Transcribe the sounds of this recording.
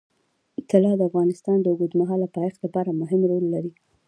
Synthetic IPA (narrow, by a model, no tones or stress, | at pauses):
t̪ɪlɑd̪əafɣɑnɪst̪ɑnd̪əʊɡud̪maɦɑlapɑjexlapɑɾamʊɦɪmɾolːaɾi